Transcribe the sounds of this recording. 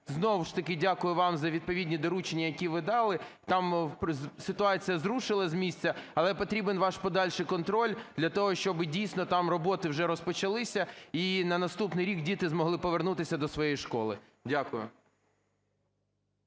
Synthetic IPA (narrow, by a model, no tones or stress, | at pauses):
znɔwʃt̪ɐkɪdʲakʊjʊʋɑmzɐʋʲid̪̚pɔʋʲidʲnʲid̪ɔɾut͡ʃenʲːɐjɐkʲiʋɪd̪ɑlˠɪt̪ɑmpsɪt̪ʊɑt͡sʲijɐzɾuʃɪlˠɐzʲmʲisʲt͡sʲɐɐlˠɛpɔt̪ɾʲibenʋɑʃpɔd̪ɑlʲʃɪkɔnt̪ɾɔlʲd̪̥lʲɐt̪ɔɦɔʃt͡ʃɔbɪdʲijsʲnɔt̪ɑmrɔbɔt̪ɪwʒɛɾɔspɔt͡ʃɐlˠɪsʲɐinɐnɐst̪upnɪjɾʲikdʲit̪ɪzmɔɦlˠɪpɔʋernut̪ɪsʲɐd̪ɔsʋɔjejiʃkɔlˠɪ̰ | dʲakʊjʊ̰